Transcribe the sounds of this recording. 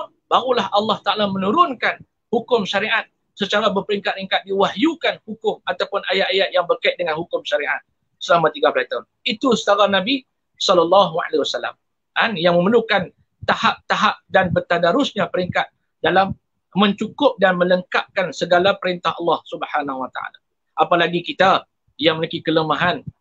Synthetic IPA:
baɣulahʔɑlːɑht̪aʔalamə̃nũɾʊnkan | hukʊmʃaɾiʔat̪̚ | sət͡ʃaɾabərpəɾiŋkat̪̚ɾiŋkat̪̚diwaɦjukanhukʊmat̪awpʊnajat̪ajaʔ̪̚jaŋbərkaɪt̪̚dəŋanhukʊmʃaɾiʔat̪̚ | səlamat̪iɡaplat̪aʊn | it̪usə̥t̪aɾanãbi | sɔlalːɑɦua̰lewasala̰m | ʔanjaŋmə̃məlukan | t̪ahap̚t̪aɦap̚danbət̪adaɾʊsɲãpəɾiŋkat̪̚ | dalamː | ə̃ɲt͡ʃukʊp̚danmə̃ləŋkap̚kansəɡalapəɾint̪ahɑlːɑhsubhanahuwat̪a̰ʔa̰la̰ | ʔapalaɡikit̪a | jaŋməlikikələmaɦan

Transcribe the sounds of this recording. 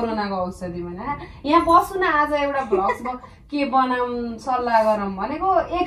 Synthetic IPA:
ɾonakoʌwsʌd̪ibʌnaajãbʌsunaːd͡zʌewʈablʌkmʌ | kebʌnaũsʌlːaɡʌɾaw̃bʱʌnekoe

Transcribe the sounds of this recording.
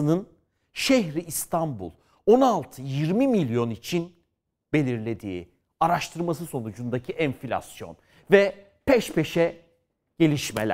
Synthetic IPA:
ɯnɯn | ʃeçɾiʔːst̪ʰambṵlˠ | o̞nalˠt̪ʰɯjiɾmimilʲjo̞nit͡ʃʰin | b̥e̞lʲiɾlʲe̞d̪ḭː | aɾaʃt̪ʰɯɾmas̬ɯso̞nud͡ʒund̪acʰiɛnfilʲa̰sjo̞̰n | vɛ | pʰɛʃpe̞ʃɛ | ɟ̥e̞lʲiʃmḛlʲæ̰

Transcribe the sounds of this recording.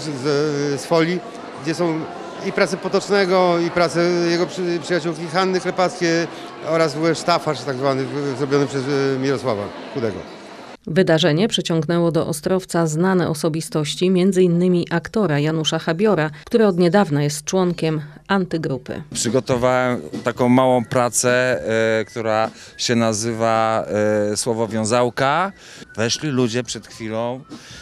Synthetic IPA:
zɛsfɔlʲi | ɡd͡ʑɛsɔ̃w̃ | ipɾat̪sɛpɔt̪ɔt͡ʂnɛɡɔipɾat̪sɛjɛɡɔpʂɨjat͡ɕuwkʲixanːɘklɛpat̪skʲe | ɔɾazɡuwɛʂt̪afaʂt̪aɡzvanɘzɾɔbʲjɔnɘpʂɛzmʲiɾɔswava̰ | kud̪ɛɡɔ̰ | vɘd̪aʐɛɲɛpʂɛt͡ɕɔŋɡnɛwɔd̪ɔʔɔst̪ɾɔft̪saznanɛʔɔsɔbʲist̪ɔɕt͡ɕimʲjɛnd̪zɘinːɘmʲiʔakt̪ɔɾajanuʂaxabʲjɔɾakt̪uɾɛɔd̪ɲɛd̪avnajɛst̪̚t͡ʂwɔŋkʲɛm | ant̪ɘɡɾupɘ̰pʂɘɡɔt̪ɔvawɛmt̪akɔ̃w̃mawɔ̃w̃pɾat̪sɛkt̪uɾa | ɕɛnazɘva | swɔvɔvʲjɔ̃w̃zawka | vɛʂlʲilud͡ʑɛpʂɛt̪xfʲilɔ̃w̃

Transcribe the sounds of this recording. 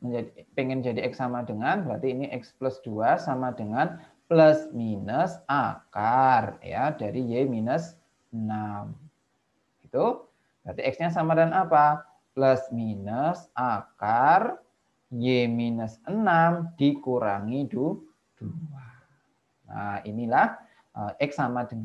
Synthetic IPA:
məɲd͡ʒadipeŋɛnd͡ʒadiɛksamadəŋanbəɾat̪iːniʔɛkspləsd̥uasamad̥əŋan | pləsminəsakarja̰daɾijeminəs | ənam | ɡ̥it̪u | d̪at̪iɛksɲasamadanapa | pləsminəsakar | jeminəsənamd̥ikuɾa̰ŋidu | d̥ua | na̰ḭnilah | ʔəʔɛksamadə

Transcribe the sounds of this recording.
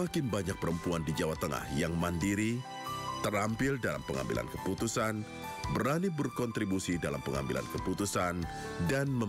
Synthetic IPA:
akɪnbaɲak̚pəɾəmpuandid͡ʒawat̪əŋa̰hjaŋmandiɾi | t̪ərampɪldala̰mpəŋa̰mbḭlʔa̰nkəput̪usan | bəɾanibərkɔnt̪ɾibusidala̰mpəŋa̰mbila̰nkəput̪usandanmə

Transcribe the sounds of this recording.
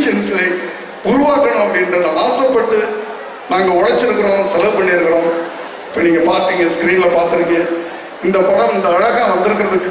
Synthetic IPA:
ʃɐnsɐɪ | ʊɾʊʋaːkɐɳʊ̃mɐpːɽɪnɾɐnɐnaːsɐpɐʈːɯ | naːŋɡɐɔɻɐt͡ʃːɪɾɯkːɯɾõːsɛlɐʋpɐɳːɪɪɾɯkːɐɾõː | ɪpːɐniːŋɡɐpaːɾt̪iːŋɡɐskɾiːnlɐpaːɾt̪ɪɾɯŋɡɐ | ɪnd̪ɐpɐɽɐ̃mɪnd̪ɐːɻɐɣɐ̃ʋɐnd̪ɪɾɯkːɪɾɐðɯkːɯ

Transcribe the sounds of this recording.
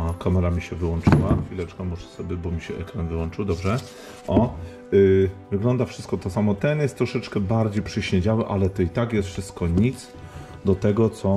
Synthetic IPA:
akamɛɾamʲiɕɛvɘwɔnt͡ʂɘwaxfʲilɛt͡ʂkamuʂɛ̥sɔbʲjɛbɔmʲiɕɛʔɛkɾanvɘwɔnt͡ʂɘwd̪ɔbʐɛ | ʔɔ | vɘɡlɔnd̪afʂɘst̪̚kɔt̪ɔsamɔt̪ɛnjɛst̪ːɾɔʂɛt͡ʂkɛbaɾd͡ʑejpʂɛɕɲeɲd͡ʑawɛʔalɛt̪ɔit̪akjɛst̪fʂɘst̪kɔɲit̪s | d̪ɔt̪ɛɡɔt̪sɔ

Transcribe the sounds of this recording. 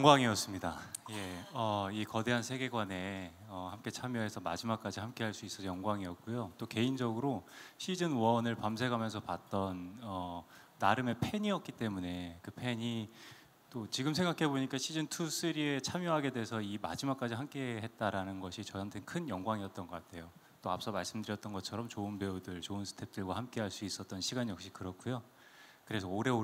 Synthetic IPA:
jʌŋɡwaŋiʌs͈ɯmɲidaje̞ʌikʌde̞ɦansʰeɡe̞ɡwane̞ʌhamk͈e̞t͡ɕʰamjoɦe̞sʰʌma̰d͡ʑimak͈ad͡ʑiɦamk͈e̞ɦaɭs͈uis͈ʌsʰjʌŋɡwaŋiʌk̚k͈ujot͈oke̞ind͡ʑʌɡɯɾoɕʰid͡ʑɯnwʌnɯɭpamsʰe̞ɡʰʱamjʌnsʰʌpat̚t͈ʌnʌː | aɾɯme̞pʰe̞ɲiʌk̚k͈it͈e̞mune̞kɯpʰe̞ɲi | t͈ot͡ɕiɡɯmsʰe̞ŋɡakʰe̞boɲik͈aɕʰid͡ʑɯntʰus͈ʰɯɾie̞t͡ɕʰamjoɦaɡe̞deesʰʌima̰d͡ʑimak͈ad͡ʑiɦamk͈e̞ɦe̞t̚t͈aɾanɯnɡʌɕʰit͡ɕʌantʰenkʰɯnjʌŋɡwaŋiʌt̚t͈ʌnɡʌk͈atʰe̞jo | t͈oa̰p̚s͈ʌmaɭs͈ɯmdɯɾjʌt͈ʌnɡʌt͡ɕʰʌɾʌmt͡ɕoɯnpeudɯɭt͡ɕoɯnsʰɯ̥tʰe̞p̚t͈ɯɭɡwahamk͈eɦaɭs͈uis͈ʌt̚t͈ʌnɕʰiɡanjʌk̚ɕ͈i̥kɯɾʌk͈ʰujo | kɯɾe̞sʰʌoɾe̞o

